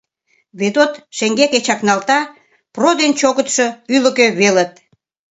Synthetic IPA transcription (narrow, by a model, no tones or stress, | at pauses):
βet̪ot̪ʃeŋɡeket͡ɕɑknɑlt̪ɑ | prod̪ent͡ɕoɣət̪ʃoylə̆køβelət̪̚